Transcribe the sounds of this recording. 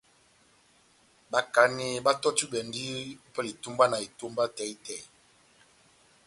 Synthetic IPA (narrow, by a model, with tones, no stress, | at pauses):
ba˦ka˨˦ne˦ba˦tɔ˦tu˦bɛ˨n˦di˦pɛ˦li˨tu˦mba˦na˨e˨tu˦mba˦tɛ˨˦i˦tɛ˨